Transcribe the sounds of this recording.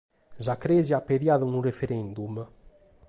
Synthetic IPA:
zakɾeziapːeðjaðənurefeɾɛnd̪um

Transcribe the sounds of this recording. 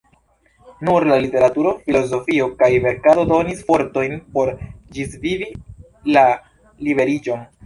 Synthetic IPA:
nuɾlalite̞ɾatuɾo̞filo̞zo̞fiokajve̞ɾkado̞do̞nisfo̞ɾto̞jnpo̞ɾd͡ʒisvivi | la | libe̞ɾid͡ʒo̞n

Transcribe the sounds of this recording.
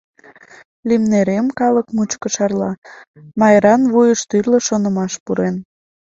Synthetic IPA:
limneɾemkɑləkmut͡ɕkə̆ʃɑrlɑ | mɑjɾɑnβujəʃt̪yrlə̆ʃonə̆mɑʃpuɾen

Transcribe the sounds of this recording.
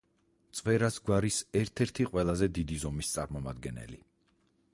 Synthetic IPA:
t̪sʼwɛɾasɡwaɾisɛɾt̪ʰɛɾt̪ʰiqʼwɛlˠazɛd̪id̪izɔmist̪sʼaɾmɔmad̪ɡɛnɛ̰li

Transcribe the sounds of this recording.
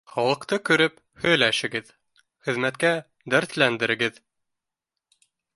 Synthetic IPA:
χɑlˠɤ̆qt̪ɤkɵ̆ɾɘp | hɵ̆jlæʃɘ̆ɡɘð | χɘ̆ðmæt̪kæ | d̪æɾθlænd̪ɘ̆ɾɘ̆ɡɘð

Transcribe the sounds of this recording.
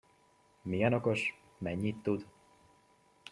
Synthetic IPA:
mijɛno̞ko̞ʃ | mɛɲːit̪ːud̪

